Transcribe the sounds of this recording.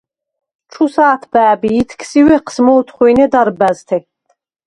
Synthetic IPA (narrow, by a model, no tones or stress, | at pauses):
t͡ʃʰusaːt̪ʰb̥æːbiːt̪ʰkʰsiwɛqʰsmɔut̪ʰχujnɛd̪aɾbæzt̪ʰɛ